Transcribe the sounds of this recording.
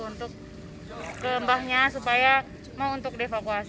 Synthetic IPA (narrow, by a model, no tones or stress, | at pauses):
unt̪ʊk̚ː | əəmbahɲasupaja | maunt̪ʊk̚deefakuas